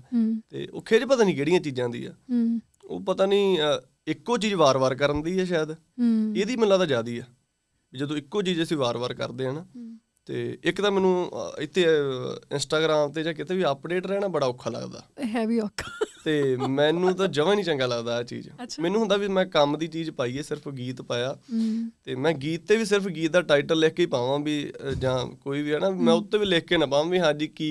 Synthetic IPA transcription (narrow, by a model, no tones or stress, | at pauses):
t̪ḛːo̰ːkʰeːd͡ʒpət̪aːniːkeːɽijãːt͡ʃiːd͡ʒãːd̪ḭːɛ̰ː | o̰ːpət̪aːniː | ɪkːoːt͡ʃiːd͡ʒʋaːɾʋaːɾkəɾənd̪iːɛːʃaːd̪ | eːd̪iːməlːãːd̪aːd͡ʒaːd̪iːɛː | biːd͡ʒəd̪õːɪkːoːt͡ʃiːd͡ʒəsĩːʋaːɾʋaːɾkə̰ɾd̪eːɦənː | t̪ḛːɪkt̪ãːmɛ̃ːnũːɪt̪ʰːeːɪ̰nsʈaːɡɾaːmt̪eːd͡ʒãːkɪt̪ʰeːʋiəpɖeːʈɾɛːɽ̃ãːbəɽaːʊkʰːaːlə̰ɡd̪a̰ːɦɛːʋiːɔkʰːt̪eːmɛ̃ːnũːt̪̬ãːd͡ʒəʋãːnĩːt͡ʃə̃ŋɡaːləɡd̪aːɛːt͡ʃḭːd͡ʒʃʰmɛ̃ːnũːɦʊnd̪aːʋimɛ̃ːkəmd̪iːt͡ʃiːd͡ʒpaːiːɛːsɪɾəpʰɡiːt̪paːjaːt̪eːmɛ̃ːɡiːt̪ːeːʋiːs̬ɪɾəpʰɡiːt̪̚d̪aːʈaːɪʈəlːeːkkːeiːpãːʋãːbiːd͡ʒãːkoːiːʋiːɦɛːnaːimɛ̃ːʊt̪ːẽːʋiːleːkkeːnãːpãːãːʋiːɦãːd͡ʒiːkiː